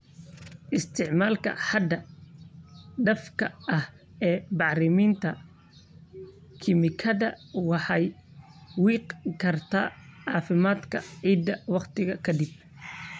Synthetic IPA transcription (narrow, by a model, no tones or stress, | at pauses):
ʔɪst̪ʰɪʕmaːlkʰɐ̰ħɑd̪ɐ | ɖɐfkʰɐʔɐh | ɛːbɑʕrɪmiːnt̪ʰɐ | kʰɪmɪkʰɐðɐwɑħɑj | wiːqkʰɐrt̪ʰaːʕɑːfɪmaːd̪kʰɐʕiːd̪ːɐwɑqt̪ʰɪɣɐkʰɐd̪ib̚